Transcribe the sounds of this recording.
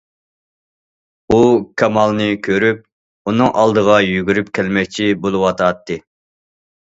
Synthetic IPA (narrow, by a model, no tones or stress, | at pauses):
ukʲʰɑmɑlˠnɨkʲʰøɾyp̚ | unɨŋʔɑlˠd̪əʁɑjyɡʲyɾypkʲʰɛlmɛkʲt͡ʃʰibolˠɨwɑt̪ʰɑt̪ːɨ